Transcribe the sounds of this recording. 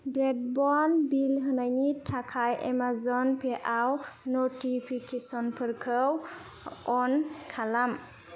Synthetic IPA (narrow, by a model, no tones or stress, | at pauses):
bɾed̚bɔnbilɦɯnajnitʰakʰajʔḛmazɔnpʰeʔawnɔtipʰikʰesɔnpʰɯɾkʰɯw | ɔnkʰalam